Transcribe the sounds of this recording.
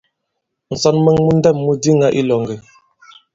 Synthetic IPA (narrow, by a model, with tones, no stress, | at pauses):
n̩˨sɔ˨nmə˨ŋmu˦n˦dɛ˦˨mːu˦di˦ŋa˦ʔi˦lɔ˨ŋɡi˨